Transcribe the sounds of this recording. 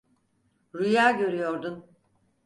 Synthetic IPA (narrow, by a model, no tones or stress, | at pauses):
ɾujaːɟø̞ɾyjo̞ɾd̪un